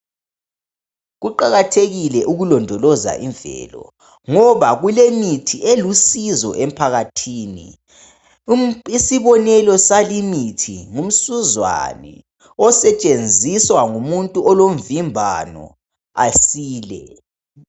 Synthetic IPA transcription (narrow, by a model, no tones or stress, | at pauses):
ɣuǃaɣatʰeɣilɛʔuɣulɔndʱɔlɔza̰ʔiɱvɛ̰lɔ̰ | ŋɔβaɣulemitʰielusizɔ̰ʔem̩pʰaɣatʰiːnḭ | isiβɔnɛlɔsalimitʰiŋum̩suzwa̰nɛ̰ | ɔsɛt͡ʃʼend͡zʱiswaŋumuntʼuɔlom̩vimbʱa̰nɔ̰ | asiːlɛ